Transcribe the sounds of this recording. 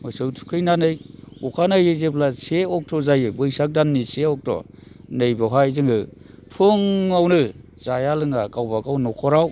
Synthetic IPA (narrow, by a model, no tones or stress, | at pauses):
mɔjsɯwtʰu̥kʰɯjnanɯjukʰanajɯzeplaseɔk̚tʰɔzajɯbɯjsak̚danːiseɔk̚tʰɔ̰ | nɯjbawɦajzɯŋɯ | pʰɯŋawnɯ | z̥ajalɯŋaɡawbaɡawnɔkʰɔɾaw